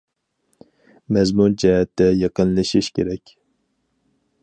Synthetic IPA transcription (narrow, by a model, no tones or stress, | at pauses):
mɛzmund͡ʒɛɦɛt̪ʰːɛjɑqənlˠɨʃiʃkʲʰeɾɛkʲ